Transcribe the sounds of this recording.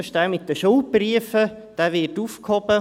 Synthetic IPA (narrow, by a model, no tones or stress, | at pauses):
ʃd̪æːmɪt̪d̥əʃowpriəfə | d̥æːʋɪtufkhɔbə